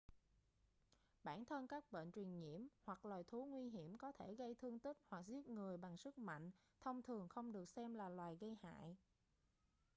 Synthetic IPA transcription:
ɓaː˧˩nt̪ʰə˧nkaː˦˥k̚ɓḛ˧˨nt͡ɕwi˨˩ənŋi˧˩əmhwa˨˩k̚laː˨˩jt̪ʰu˨˦ŋwi˧ɦi˧˩əmkɔ˨˦t̪ʰe˧˩ɣə˧jt̪ʰɨ˧əŋt̪i˦˥k̚hwa˨˩k̚zi˦˥əp̚ŋɨ˨˩əjɓa˨˩ŋsɨ˦˥k̚ma̰˧˨ŋ̟ | t̪ʰə˧wŋ͡mt̪ʰɨ˨˩əŋxə˧wŋ͡mɗɨ˨˩ək̚sɛ˧mlaː˨˩lwaː˨˩jɣə˧jha̰ː˧˨j

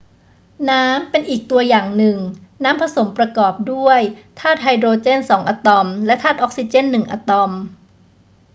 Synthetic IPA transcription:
naː˦˥mpe˧nʔiː˨˩k̚t̪u˧ɐjaː˨˩ŋnɯ˨˩ŋnaː˦˥mpʰa˧so˩˦mpɾa˧kɔː˨˩p̚du˥˩əjt̪ʰaː˥˩t̪̚hɦa˧jd̪ɾoː˧t͡ɕe˥˩nsɔː˩˦ŋʔa˧t̪ɔ˧mlɛ˦˥t̪ʰaː˥˩t̪̚ʔɔː˦˥k̚si˧t͡ɕe˥˩nːɯ˨˩ŋʔa̰ː˧˩t̪ɔ˧m

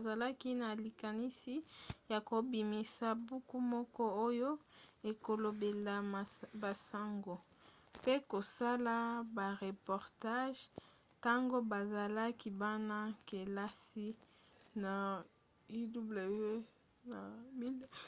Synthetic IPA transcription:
za˨la˦ki˦na˨li˨ka˨ni˦si˦ja˨ko˨bi˨mi˨sa˨bu˦ku˦mɔ˦kɔ˦o˦jo˦e˨ko˨lo˨be˨la˨ba˨sa˦ŋɡo˨pe˦ko˨sa˦la˦ba˨ʁe˨pɔ˨ʁta˦ʒ | ta˦ŋɡo˦ba˨za˨la˦ki˦ba˦na˦ke˨la˦si˦na˨ | i˦du˦ble˨ve˦ | na˨mi˦d

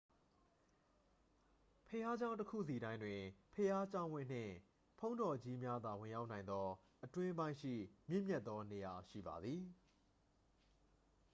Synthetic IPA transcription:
pʰəja˦d͡ʑã˦ʊ̃təkʰṵ˦˨zsi˨ɾã˦ɪ̃ndwɪ̃˨pʰəja˦t͡ɕã˦ʊ̃wɪ̰̃˦˨n̥ɪ̰̃˦˨ | pʰõ˦ʊ̃ndɔ˨d͡ʑi˦mja˦d̪ða˨wɪ̃˨ja˦ʊʔnã˨ɪ̃nd̪ɔ˦ | ʔətwɪ̃˦bã˦ɪ̃ʃḭ˦˨mjɪ̃˦˨mjɛ˦t̪̚ːɔ˦ne˨ja˨ʃḭ˦˨ba̰˨d̪ði˨

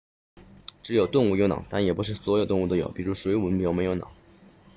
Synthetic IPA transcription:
ʈ͡ʂɻ̩˧˥jo˨˩ʊt̪ʊ˥˧ŋu˥˩jo˧˥ʊnɑ̰˨˩ŋt̪a˥˩njɛ˨˩pu˧˥ʂ̬ɻ̩˥˩swɔ˧˥jt̪ʊ˥˧ŋu˥˩ə˧˥˩jo̰˨˩˦ʊpi˨˩ɻu˧˥ʂwe˧˥ɪu˨˧˥pjo˧˥me˧˥jo˧˥ʊnɑ̰˨˩˦ŋ

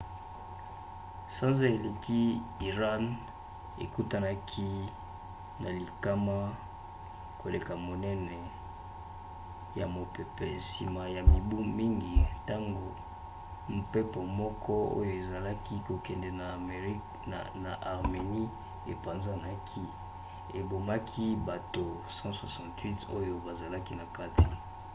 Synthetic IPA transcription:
sã˦nza˦e˨le˨ki˦i˨ʁa˦n | ḛ˨ku˦ta˦na˦kʰi˦ | na˨li˨ka˦ma˦ | ko˨le˨ka˨mo˨nɛ˦nɛ˨ | ja˨mo˨pe˨pɛ˨si˨ma˨ja˨mi˨bu˦mi˦ŋɡi˨ta˦ŋɡo˨ | m̩˨pe˦po˨mɔ˦kɔ˦o̰˦jo˨e˨za˨la˦ki˦ko˨kɛ˨ndɛ˨na˨˦ | na˨ʔa˨ʁme˨ni˦ | e˨pa˨nza˦na˨kʰi˦ | e˨bo˨ma˦kʰi˦ba˨to˨ | sɑ̃˦swa˨sɑ̃˨twi˦to˦jo˦ba˨za˨la˦ki˦na˨ka˦ti˨

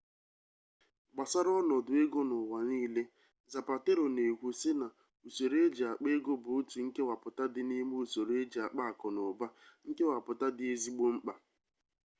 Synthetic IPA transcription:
ɡ͡ba˨sa˦ɾɔ˦nɔ˨dʊ˨e˦ɡo˦nʊ˨wa˨niː˦le˦ | za˨pa˨te˦ɾo˨ne˨kʷu˨sɪ˦na˨ | u˨so˨ɾe˦d͡ʒa˨k͡pe˦ɡo˦bʊ˨˦ti˨ŋ̩˦ke˦wa˨pʊ˨ta˦dɪ˦ni˦mu˦o˨so˨ɾe˦d͡ʒe˨a˨k͡pa˦a˨kɔ˨nʊ˨ba˦ŋ̩˦ke˦wa˨pʊ˨ta˦dɪ˦e˦zi˦ɡ͡bo˦ŋ͡m̩˦k͡pa˨

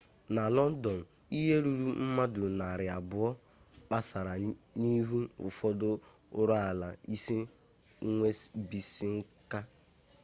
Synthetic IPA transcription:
na˨lɔ˦n̩˦dɔ˨n̩˨ | i˦ɦe˦ɾu˦ɾu˦m̩˦ma˦dʊ˨na˨ɾɪ˨a˨bʊ˨ɔ˦ | k͡pa˦sa˨ɾa˨ni˦ɦu˦ʊ̰˨fɔ˦dʊ˦ | ʊ˦ɾa˦a˨la˨i˦si˦ | ŋʷe˦sbi˨si˦ŋ̩˦ka˦

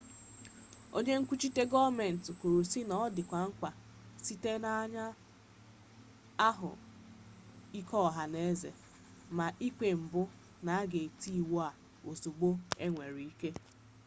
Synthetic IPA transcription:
o̰˦ɲe˦ŋ̩˦kʷu˦t͡ʃi˦te˦ɡɔ˦me˨n̩˨tʊ˨ku˨ɾu˨si˦nɔ˦dɪ˨kʷa˨ŋ̩˦kʷa˨ | si˦te˦na˦ɲa˦ | a˦ɦʊ̰˨ | i˦kɔ˦˨ɦa˨ne˦zḛ˨ | ma˨ʔi˦kʷe˨m̩˨bʊ˦ | na˨a˦ɡe˨ti˦˨wo˦a˨ | o˨zu˨ɡ͡bo˦e˦ŋʷe˨ɾi˨i˦ke˦

